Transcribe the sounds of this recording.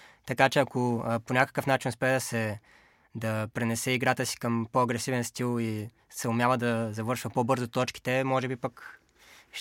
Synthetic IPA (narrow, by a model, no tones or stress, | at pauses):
t̪ɐkat͡ʃɛɐkʰoponʲakə̥kəfnat͡ʃinspɛd̪ɐsɛ | d̪ɐpɾɛnɛsɛiɡɾat̪əsi̥kəmpoɐɡɾɛsivɛnst̪ilˠi | sɛʊmʲjavəd̪ɐzɐvɤɾʃvəpobɤɾzot̪ɔt͡ʃki̥t̪ɛmɔʒɛbipək | ʃ